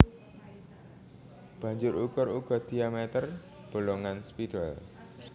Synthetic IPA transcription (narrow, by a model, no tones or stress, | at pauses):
b̥ä̤ɲd͡ʒʊɾukʊɾuɡ̥ɔ̤d̪̥i̤amet̪ər | b̥o̤loŋanspiɖal